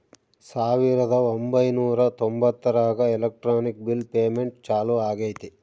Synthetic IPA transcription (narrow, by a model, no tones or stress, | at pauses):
saːʋiɾɐd̪ɐombɐjnuːɾɐt̪ombɐt̪ːɐɾaːɡɐɛlɐk̚ʈɾaːnik̚bilpeːmeɳʈt͡ʃaːluaːɡɐjt̪i